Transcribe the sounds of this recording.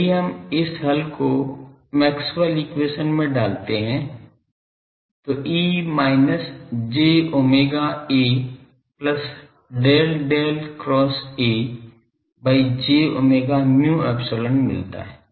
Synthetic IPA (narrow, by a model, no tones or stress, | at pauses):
iɦɐmɪsɦɐlko | mɛːksbəlikweːʃənmẽɖaːlt̪eɦɛ̃ | t̪oʔiːmaːɪnəsd͡ʒeːoːmeːɡaeː | pləs | ɖeːlɖeːlkɾɔːseː | baːid͡ʒeːo̰ːmeːɡamjũːɛːbsoːlə̃ɳmɪ̰lt̪a̰ɦɛː